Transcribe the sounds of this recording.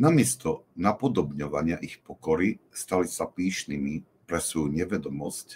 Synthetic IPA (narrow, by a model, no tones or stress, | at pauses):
namɪɛst̪ɔnapɔd̪ɔbɲɔʋaɲɪaʔixpɔkɔɾist̪alisapiːʃnimi | pɾɛsʋɔjuɲɛʋɛd̪ɔmɔsc